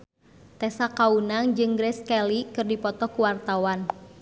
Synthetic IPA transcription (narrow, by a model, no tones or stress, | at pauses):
t̪ɛsakaunaŋd͡ʒɨŋɡɾɛskɛlikɨrdipɔt̪ɔkuwart̪awan